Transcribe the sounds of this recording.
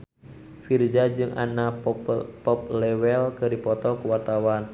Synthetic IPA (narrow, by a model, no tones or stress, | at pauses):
fird͡ʒad͡ʒɨŋʔa̰na | pɔp̚lɛwɛlkərdipɔt̪ɔkuwart̪awan